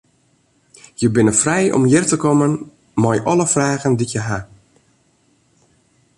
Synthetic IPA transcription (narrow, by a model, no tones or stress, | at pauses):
jəbɪnəfrɛjʔɔ̰mjɪrtəkɔmən | mɔjʔɔləfraːɣəndijəɦa